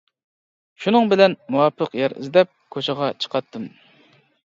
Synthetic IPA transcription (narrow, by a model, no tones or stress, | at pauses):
ʃunɨŋbɪlɛnmuwɑːpʰəqjɛɾə̰zd̪ɛp̚kʰot͡ʃʰɑʁɑt͡ʃʰə̥qʰɑt̪ʰːɨm